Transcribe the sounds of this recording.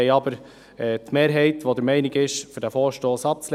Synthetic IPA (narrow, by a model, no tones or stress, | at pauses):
ɛɑbəɾ | ɛːtmeːɾɦɛɪtʋod̪əɾmɛɪnɪɡɪʃfʏɾdæfɔːɾʃtoːsɑp̚t͡sl